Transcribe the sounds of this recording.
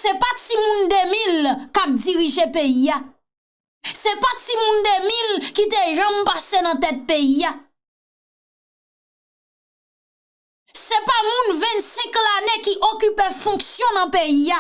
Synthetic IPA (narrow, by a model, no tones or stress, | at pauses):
sɛpatimũnd̪emilkap̚d͡ziʁiʒepejija | sɛpatimũnd̪emilkit̪eʒãmpasenɐ̃t̪ɛt̪̚peija | sɛpamũnvɛ̃nsɛ̃klanekiʔokypefɔ̃ksjɔ̃nɐ̃peia